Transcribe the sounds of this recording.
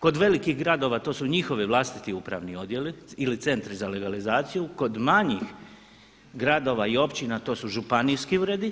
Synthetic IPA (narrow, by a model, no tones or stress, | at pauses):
ko̞d̪ʋe̞likiɣɡɾad̪o̞ʋaːt̪o̞ːsuɲixo̞ʋiʋlˠast̪i̥t̪iuːpɾa̰ʋnio̞d̪je̞liilit̪se̞nt̪ɾizale̞ɡalizaːt̪sijuko̞d̪maɲix | ɡɾad̪o̞ʋaio̞pt͡ɕinat̪o̞ːsuʒupanijskiuːɾe̞d̪i